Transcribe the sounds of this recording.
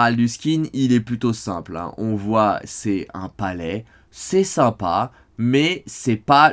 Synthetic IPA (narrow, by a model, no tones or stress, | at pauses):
ald̪yskʲinilɛplyt̪osɛ̃plɛ̰̃ʔɔ̃vwasɛɛ̰̃palɛ | sɛsɛ̃pa | mɛsɛpa